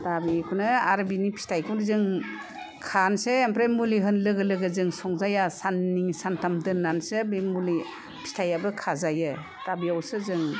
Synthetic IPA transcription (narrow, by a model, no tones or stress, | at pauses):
tabikʰunɯaɾbinipʰi̥stajkʰunzɯŋ | kʰanseːmpɾemuliɦɯnlɯɡɯlɯɡɯzɯŋsɔŋzajasanːiŋsantʰamdɯnːansɯbimuli | pʰi̥stʰajabɯkʰazajɯ | tabiawsɯzɯŋ